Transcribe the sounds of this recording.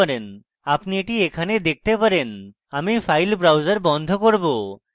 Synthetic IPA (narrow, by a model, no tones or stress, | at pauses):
aɾen | apniʈiekʰaned̪ek̚ʰt̪epaɾen | amifʰajlbɾawd͡ʑaɾbɔnd̪ʱokoɾbo